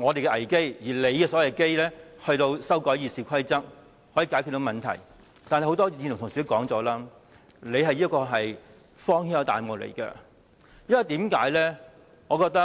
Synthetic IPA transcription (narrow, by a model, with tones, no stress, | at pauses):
ŋɔː˨˧t̪e˨jkɛ˧ʔɐ˨˩jke˥jjiː˨˩le˨˧jkɛː˧sɔː˨˥wɐ˨˧˩ke˥jlɛː˥hɵ˧ɥt̪o˧wsɐ˥wkɔː˨˥jiː˧siː˨kʰɐ˥jt͡sɐ˥k̚ | hɔ˨˥jiː˧kaː˨˥kʰy˧t̪o˧wmɐ˨nt̪ʰɐ̰˨˩j | t̪aː˨n˨jho˨˥wt̪ɔː˥iː˧nʰ˨˩t̪ʰʊ˨˩ŋsi˨t̪kɔː˨˥ŋt͡sɔː˨˥laː˥ | le˨˧jɦɐ˨jiː˥kːɔː˧ɦɐ˨j | fɔː˥ŋhiː˥njɐ˨˧wt̪aː˨jmʊ˨k̚lḛ˨˩jkɛ̰˧ | jɐ˥nwɐ˨˩jt̪iː˨˥mka̰ː˨˥jlɛː˥ | ŋɔː˨˧kɔː˧k̚t̪ɐ˥